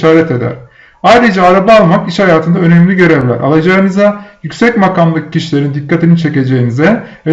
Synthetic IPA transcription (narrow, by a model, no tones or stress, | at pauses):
ʃaːɾɛt̪e̞d̪æ̰ɾ̥ | ajɾɯd͡ʒaːɾabaːlˠmakiʃhajaːt̪ʰɯnd̪aø̞nɛmlʲiɟø̞ɾɛvlʲæ̰ɾa̰lˠad͡ʒaɯnɯzajycsɛcmakamlˠɯkcːiʃilʲe̞ɾind̪ikʰːat̪ʰinint͡ʃʰe̞ce̞d͡ʒe̞jinizɛvɛ